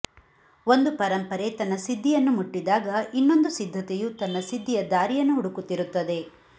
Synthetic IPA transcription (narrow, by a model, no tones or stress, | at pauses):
o̞nd̪upɐɾɐmpɐɾet̪ɐnːɐsid̪ʱːijɐnːumuʈːid̪aːɡɐinːo̞nd̪usid̪ʱːɐt̪ɛjut̪ɐnːɐsid̪ʱːijɐd̪aːɾijɐnːuɦuɽukut̪ːiɾut̪ːɐd̪e̞